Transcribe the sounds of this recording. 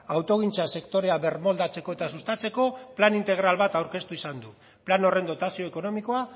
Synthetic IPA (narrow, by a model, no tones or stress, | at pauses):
awt̪o̞ɣint͡sase̞kt̪o̞ɾe̞aβe̞rmo̞ld̪at͡se̞ko̞e̞t̪asust̪at͡se̞ko̞planint̪e̞ɣ̞ɾalβat̪awɾke̞st̪uisand̪u | plano̞re̞nd̪o̞t̪asio̞eko̞no̞miko̞a